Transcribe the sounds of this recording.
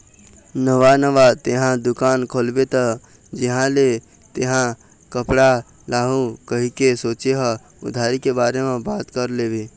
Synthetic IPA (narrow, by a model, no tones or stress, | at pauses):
nəʋanəʋat̪eɦãd̪ʊkaːnkʰoːlbet̪ʰa | d͡ʒɪɦãle | t̪eɦã | kəpɽa | laːɦũkəɦikesoːt͡ʃeɦa | ʊ̰d̪ʱaːɾikebaːɾemẽbaːt̪kəɾleːbeː